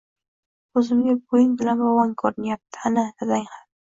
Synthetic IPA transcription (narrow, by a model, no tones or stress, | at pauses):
ɵzɪmɡʲabojɪŋbɪlanbɒwɒŋkʰɒɾɪnjap̚t̪ʰɪ̥anɪazaŋha